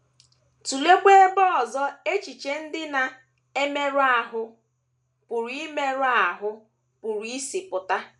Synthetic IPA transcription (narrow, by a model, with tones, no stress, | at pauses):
tu˨le˦ɡ͡bʷe˦bɔ˦ɔ˨zɔ˦e˦t͡ʃi˨t͡ʃe˦n̩˦dɪ˦na˨ | e˦me˦ɾʊ˦a˨ɦʊ˦ | pʊ˨ɾi˦me˦ɾʊ˦a˨ɦʊ˦ | pʊ˨ɾi˦i˦si˨pʊ˨ta˦